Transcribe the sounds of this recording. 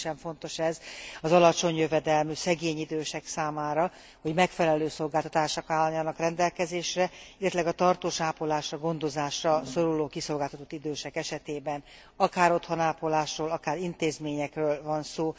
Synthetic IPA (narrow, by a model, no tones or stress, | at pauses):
ʃɛɱfo̞nt̪o̞ʃɛzɒzɒlɒt͡ʃo̞ɲjøvɛd̪ɛlmysɛɡeːɲid̪øːʃɛksaːmaːɾɒ | ho̞ɟmɛkfɛlɛløːso̞lɡaːlt̪ɒt̪aːʃokaːlːɒɲːɒnɒkrɛnd̪ɛlkɛzeːʃrɛilːɛt̪ylɛɡɒt̪ɒrt̪oːʃaːpolaːʃrɒɡo̞nd̪o̞zaːʃrɒso̞ɾuloːkiso̞lɡaːlt̪ɒt̪o̞t̪ːid̪øːʃɛkɛʃɛt̪eːbɛn | ɒkaːɾo̞t̪honaːpolaːʃroːlɒkaːɾint̪eːzmeːɲɛkrøːlvɒnsoː